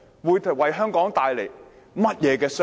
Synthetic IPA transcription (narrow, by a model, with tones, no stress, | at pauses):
wuː˨˧jt̪ʰwɐ˨jɦœː˥ŋkɔː˨˥ŋt̪aː˨˧jle˨˩j | mɐ˥t̚jɛː˨˧kɛː˧s